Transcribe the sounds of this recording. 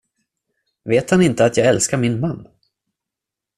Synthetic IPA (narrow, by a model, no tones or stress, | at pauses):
veːt̪hanɪnt̪əat̪jɑːɡɛlskaɾmɪnmanː